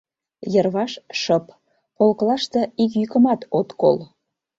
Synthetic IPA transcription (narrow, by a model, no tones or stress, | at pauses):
jərβɑʃʃəp | polklɑʃt̪eik̬jykəmɑt̪ot̪ko̰l